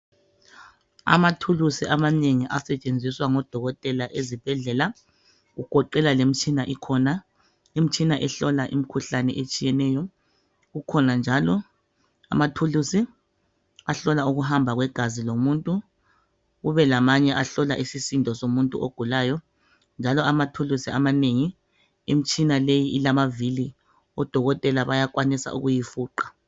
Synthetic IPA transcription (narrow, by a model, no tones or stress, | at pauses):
a̰matʰulusiamaneŋiʔasɛt͡ʃʼend͡zʱiswaŋɔd̥ʱɔɣɔtʼɛlaʔezib̥ʱɛɮɛːla | ɣuɡ̥ʱɔǃɛlalem̩t͡ʃʼinaʔikʰɔna | em̩t͡ʃʼinaʔɛɬɔlaʔḭmikʰuɬanɛ̰ʔet͡ʃʼijɛnɛːjɔ | ɣukʰɔnand͡ʒʱalɔ | a̰matʰulusi | aɬɔlauɣuɦambʱaɣwɛɡ̥ʱazilomuntʼu | ɣuβɛlamaɲɛʔaɬɔlaʔisisindʱɔsomuntʼṵo̰ɡ̥ʱulaːjɔ | nd͡ʒʱalɔamatʰulusiamaneŋi | im̩t͡ʃʼinalejiʔilamavili | ɔd̥ʱɔɣɔtʼɛlaβajak̬ʼwanisa̰ʔṵɣujifuːǃḁ